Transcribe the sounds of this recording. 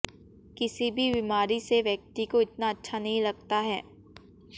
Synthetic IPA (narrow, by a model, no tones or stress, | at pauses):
kɪsibʱibimaːɾiseʋjɐk̚t̪ikoɪt̪̚naɐtːʃʰanɐɦĩlɐɡ̚t̪aɦɛː